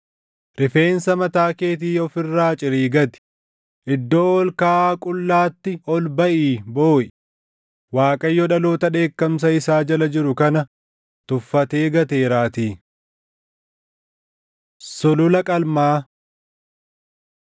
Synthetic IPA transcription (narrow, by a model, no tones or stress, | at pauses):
ɾɪfe̞ːnsɐmɐt̪aːke̞ːt̪̬iːɔfɪrːaːt͡ʃʼɪɾiːɡɐt̪ɪ̥ | ʔɪd̪ːo̞ːwɔlkaːkʼʊlːaːt̪ːɪɔlbɐʔiːbo̞ːʔɪ | waːkʼɐjːɔᶑɐlo̞ːt̪ɐᶑe̞ːkːɐms̬ɐɪsaːd͡ʒɐlɐd͡ʒɪɾʊkɐnɐ | t̪ʊfːɐt̪e̞ːɡɐt̪e̞ːɾaːt̪iː | sʊlʊlɐkʼɐlmaː